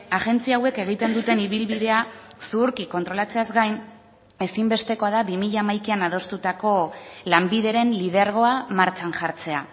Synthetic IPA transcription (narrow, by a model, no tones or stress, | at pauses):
aʝe̞nt͡siawe̞ke̞ɣ̞it̪e̞nd̪ut̪e̞niβilβiðe̞asuɾkiko̞nt̪ɾo̞lat͡se̞azɡajn | e̞simbe̞st̪e̞ko̞aðaβimiʎaːmajkianað̞o̞st̪ut̪ako̞lambiðe̞ɾe̞nlið̞eɾɣ̞o̞amaɾt͡ʃanʝaɾt͡se̞a